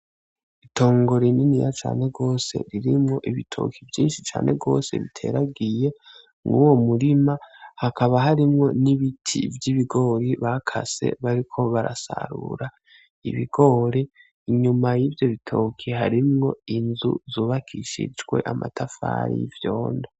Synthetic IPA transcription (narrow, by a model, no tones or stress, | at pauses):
ito̞ːŋɡo̞ɾininijat͡ʃa̰ːne̞ɡo̞ːse̞̰ɾiɾimŋo̞ʔiβitʰo̞̰ːkʰivjiːnʃit͡ʃa̰ːnʔe̞ɡo̞ːse̞̰βitʰe̞̰ɾaɡije̞ | ŋɡuwo̞muɾimahakaβaɦaɾimŋo̞niβitʰḭvjiβiɡo̞ːɾiβakʰase̞̰βaɾikʰo̞βaɾasa̰ɾṵɾa | ḭβiɡo̞ɾe | iɲumajiːvjo̞βitʰo̞ːkʰihaɾimŋo̞inzṵzuːβakʰiʃḭd͡ʒwe̞̰ʔama̰tʰafa̰ɾḭivjo̞ːnda